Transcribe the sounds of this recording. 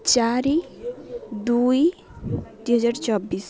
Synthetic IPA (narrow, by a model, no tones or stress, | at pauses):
t͡ʃaɾi | d̪uj | t̪iɦəd͡ʑaɾt͡ʃɔbiːs